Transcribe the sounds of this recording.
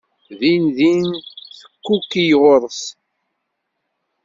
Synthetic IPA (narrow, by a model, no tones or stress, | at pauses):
ðinðinθə̥kːukːijʁʊɾˤəs